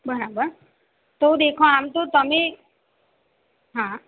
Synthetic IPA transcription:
bəɾabəɾ | t̪od̪eːkʰõaːmt̪ot̪əmẽ | ɦã

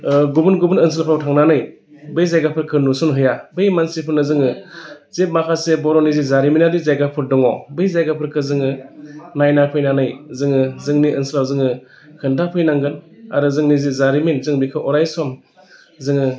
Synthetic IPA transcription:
ɡubɯnɡubunɯns̬ɯlpʰawtʰaŋnanɯj | bɯjzajɡapʰɯɾkʰɯnusɔnɦɯjabɯjmansipʰɯɾnɯzɯŋɯ | zep̚makʰasebɔɾɔnizizaɾiminadizajɡapʰɯɾdɔŋɔbɯjzajɡapʰɯɾkʰɯzɯŋɯnajnapʰɯjnanɯjzɯŋɯzɯŋniʔɯnsilawzɯŋɯ | kʰɯndapʰɯjnaŋɡɯn | a̰ɾɯzɯŋnizizaɾiminzɯŋbikʰɯʔɔɾajsɔm | zɯŋɯ

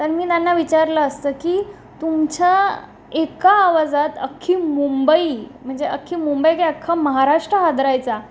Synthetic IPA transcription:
t̪əɾmiːt̪anːaʋit͡ɕaɾləːst̪əːkiː | t̪umt͡ɕa | ekaːʋad͡zat̪əkʰːiːmumbəim̤əɳd͡zeəkʰːiːmumbəjkeəkʰːaməɦaɾaʂʈɾəɦad̪ɾajt͡sa

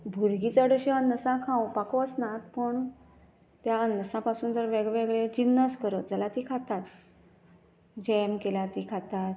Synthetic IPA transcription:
bʱuɾɡit͡səɽəɕiənːəsãkʰãw̃pakoəsnãt̪pəɳ | t̪jaənːəsãpasuːnt̪əɾʋeɡʋeɡɭed͡ʑinːəskəɾət̪̚d͡zəlat̪ikʰat̪at̪ | d͡ʑɛmkelaɾt̪ikʰat̪at̪

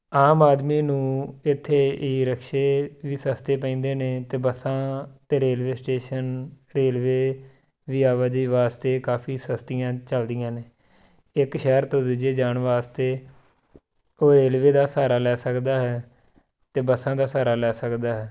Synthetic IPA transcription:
aːmaːd̪miːnũːɪt̪ʰːeːiːɾəkʰʃeːʋiːsəst̪eːpəĩːnd̪eːneːt̪eːbəsãːt̪eːɾeːlʋeːsʈeːʃən | ɾeːlʋeː | ʋiːaːʋaːd͡ʒiːʋaːst̪eːkaːpʰiːsəst̪ɪjãːt͡ʃəld̪ɪjãːneː | ɪkʃɛːɾt̪õːd̪ɪd͡ʒeːd͡ʒaːɳʋaːst̪eː | oːɾeːlʋeːd̪aːsaːɾaːlɛːsəkd̪aːɦɛː | t̪eːbəsãːd̪aːsaːɾaːlɛːsəkd̪aːɦɛː

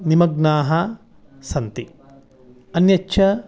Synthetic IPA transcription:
nimɐɡnaːɦɐ | sɐnt̪i | ɐnjɐtːʃʰɐ

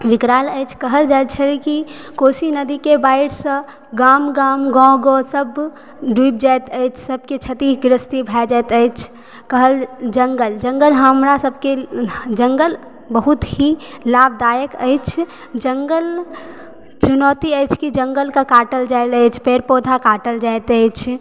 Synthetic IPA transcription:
ʋɪkɾaːləɪt͡ʃʰkəɦəld͡ʒajt̪̚t͡ʃʰəliki | koːsinəd̪ikebaːɪɽsə̃ | ɡaːmɡaːmɡɔ̃ɡosəb | ɖub̚d͡ʒaɪt̪ət͡ʃʰsəb̚ket͡ʃʰət̪iɡɾɪst̪ibʱɛd͡ʒaɪt̪əɪt͡ʃʰ | kəɦəld͡ʒəŋɡəld͡ʒə̃ŋɡəlɦəmɾasəb̚ʱked͡ʒəŋɡəl | bəɦut̪hilab̚d̪aːjəkə̰ɪt͡ʃʰ | d͡ʒəŋɡəl | t͡ʃunɔːt̪iəjt͡ʃʰkid͡ʒəŋɡəlkakaːʈəld͡ʒaɪləɪt͡ʃʰpeɾpoːd̪ʱakaːʈəld͡ʒaɪt̪əɪt͡ʃʰ

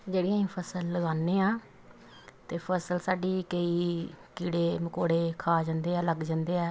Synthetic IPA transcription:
d͡ʒeːɽɪjãːĩːpʰəsəlːəɡaːnːeːãː | t̪eːpʰəsəlsaːɖiːkəiːkiːɽeːməkoːɽeːkʰaːd͡ʒãːnd̪eːɛːləɡd͡ʒãːnd̪eːɛː

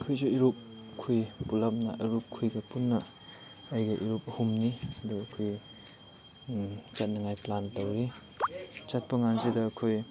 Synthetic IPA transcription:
ɐkʰujsuiɾup̚kʰujpulɐmnɐ̰ʔɐɾup̚kʰujɡɐpunːɐː | jɡɐʔiɾupɐhumniɐduɐkʰoj | t͡ʃat̚nɐŋajplantɐwɾi | t͡ʃat̚pɐŋansidɐːkʰoj

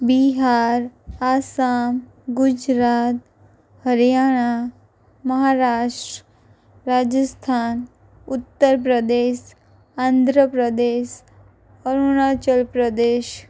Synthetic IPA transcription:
biɦaːɾaːsaːm | ɡʊd͡ʒɾaːt̪̚ | həɾijaːɽ̃a | məɦaɾaːʃʈɾə | ɾaːd͡ʒəst̪ʰaːn | ʊt̪ːəɾp̬ɾəd̪eːʃ | and̪ʱɾəpɾəd̪eːʃ | ɔɾuɽ̃aːt͡ʃəlpɾəd̪eːʃ

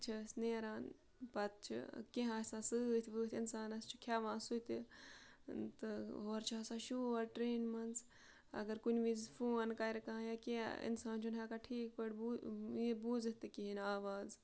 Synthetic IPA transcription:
t͡ʃʰɐsneːɾaːn | pɐt̪̚t͡ʃʰḭkẽɦãːsãːsɨt̪ʰbɨːt̪ʰʲinsaːnɐst͡ʃʰi̥kʰjaːʋãːsut̪i | t̪ɨɦoːɾt͡ʃʰaːsãːʃuːɐɾʈɾeːnmɐns | ɐ̰ɡɐɾkunʲʋizfʰoːnkajɾɐkãːjakeḭnsaːnt͡ʃʰunɦakaʈʰiːk̚pəɽbibuːzit̪ɨkiɦinaːʋaːz

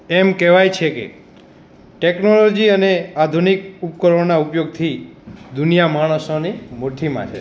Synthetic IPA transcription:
emkɛʋajt͡ʃʰekḛ | ʈeknolɔd͡ʒiənead̪ʱunikupkəɾɔnaupjoɡ̚t̪ʰid̪unijamaɽ̃osonimoʈʰimã̰t͡ʃʰḛ

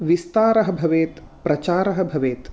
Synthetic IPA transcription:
ʋist̪aːɾɐɦɐ̆bʱɐʋeːt̪ | pɾɐt͡ʃaːɾɐɦɐ̆bʱɐʋeːt̪

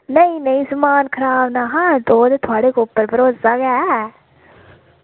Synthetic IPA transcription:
nəĩnəĩːsəmaːnkʰəɾaːbnaːɦãːd̪oːd̪et̪ʰʊaːɽeːkopːəɾbəɾoːzaːɡɛː

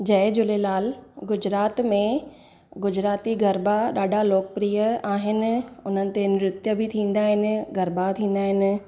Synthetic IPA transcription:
d͡ʑɐɦɪd͡ʑʊlelaːlɡʊd͡ʑɾaːt̪mẽ | ɡʊd͡ʑɾaːt̪iɡʱɐɾbaɗaːɖʱaloːkəpɾiːjəaːɦɪnɪ̆ʊn̤ənɪ̆t̪enɪɾʊt̪jəbʱɪt̪ʰĩːn̆d̪aːɦɪnɪ̆ɡɐɾbat̪ʰĩːn̆d̪aːɦɪnɪ̆

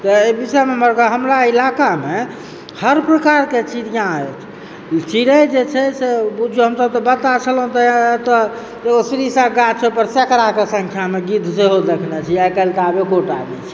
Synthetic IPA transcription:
t̪ɔebisɛmeməɾɡaɦəmɾailakame | həɾpɾəkaɾket͡ʃʰiɾjãet͡ʃʰ | t͡ʃiɾəd͡ʒet͡ʃʰɛsebud͡ʒʱuɦəmsəb̚t̪ɔbət̪at͡ʃʰəlɦũt̪ɔt̪ɔ | d͡ʒeɡosɾisãɡat͡ʃʰopəɾsekɾakesəŋkʰjameɡid̪ʱseɦod̪ekʰnɛt͡ʃʰiajkəlkabekoʈabɛt͡ʃʰi

